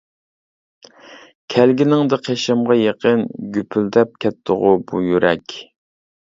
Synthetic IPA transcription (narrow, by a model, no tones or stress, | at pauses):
kʲʰælɡʲinɪŋd̪ɨqʰeʃɛmʁɑjeqənɡʲypʰyld̪ɛp̚kʲʰɛt̪ʰːʊʁʊbujyɾʔɛkʲ